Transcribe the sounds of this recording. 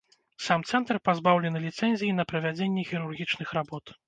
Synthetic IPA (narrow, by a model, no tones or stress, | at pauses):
samt̪sɛnt̪rpazbawlʲɛnɨlʲit̪sɛnʲzʲijinɐpɾɐvʲad͡zʲenʲːɛxʲiɾurɣʲit͡ʂnɨxrabɔt̪